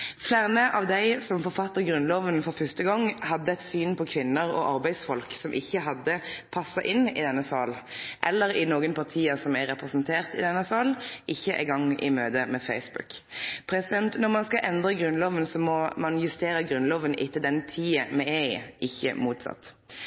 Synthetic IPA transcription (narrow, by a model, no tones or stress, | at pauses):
flæːʁnəʔɑːʋd̪æɪsɔmfɔʁfɑt̪ːəʁɡɾʉnloːʋənfɔɾfœst̪əɡɔŋːhɑd̪ːəɛt̪syːnpʰɔkʰʋɪnːəɾɔ̰ʔɑʁbæɪsfɔlksɔmʔɪçːəɦɑd̪ːəpʰɑsːɑʔɪnɪ̰d̪ɛnːəsɑːl | ʔɛlːəɾɪnoːɡənpʰɑʁt̪ʰiːəsɔmæɾɛpʁɛsnt̪ʰeːʁt̪ɪ̰d̪ɛnːəsɑːlʔɪçːəʔæ̰ɪɡɑŋːʔɪ̰møːd̪əmɛfæɪsbʉ̰kpʰɾɛsɪd̪ɛnt̪nɔʁmɑnskɑʔɛnd̪ɾəɡɾʉnloːʋənsɔmɔmɑnjʉst̪eːɾəɡɾʉnloːʋənʔɪ̰t̪ʰːəld̪ɛnt̪ʰiːəmɛæɪɪçːə̰muːt̪sɑ̰t̪ː